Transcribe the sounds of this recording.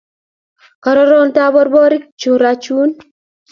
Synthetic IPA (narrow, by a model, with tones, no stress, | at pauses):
ka˨ɾɔ˦ɾɔ˦ntabɔ˦ɾbɔ˦ɾɪ˦kt͡ʃu˨ɾat͡ʃu˦n